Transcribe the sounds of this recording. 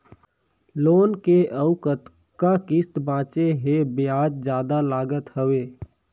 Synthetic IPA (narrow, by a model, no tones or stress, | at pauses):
loːnkeəʊkət̪ | kakɪst̪bãːt͡ʃeɦebɪaːd͡ʒd͡ʒjaːd̪alaːɡət̪həʋeː